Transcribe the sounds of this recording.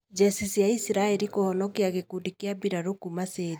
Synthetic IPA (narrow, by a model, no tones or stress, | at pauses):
d͡ʒɛsisiaisiɾaeɾikohɔnɔkiaɣekudikiabiɾaɾokumaseɲ